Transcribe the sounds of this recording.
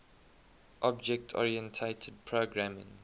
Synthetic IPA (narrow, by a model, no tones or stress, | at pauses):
ʔɔbd͡ʒɛk̚tʰɔ̰ɹiɛ̃ntʰetʰəd̚pʰɹoɡɹamɪ̰̃ŋ